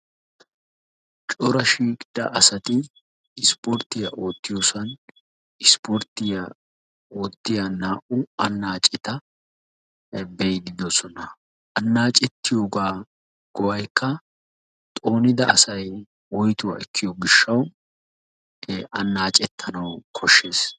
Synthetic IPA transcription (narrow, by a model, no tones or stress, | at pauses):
t͡ʃʼɔɾɐʃiːkʼɪd̪̥ɐʔɐsɐt̪ɪ | ɪspoɾt̪ːɪjɐʔo̞ːt̪ːɪjoːsɐn | ɪspoɾt̪ɪjɐ | o̞ːt̪ːɪjanaːʔʊɐnːaːt͡ʃʼːɪt̪ɐ | bɛjd̪ɪd̪ɔsɔnɐ | ʔɐnːaːt͡ʃʼɛt̪ːɪjo̞ːɡaː | ɡ̥ɔwɐjkːɐ | t̪ʼo̞ːnɪd̪ɐʔɐsɐj | wɔjt̪ʊwa̰ːɛkːɪjoɡɪʃːɐw | ʔɐnːaːt͡ʃʼɛt̪ʰːɐnɐwkʰɔʃːe̞ːs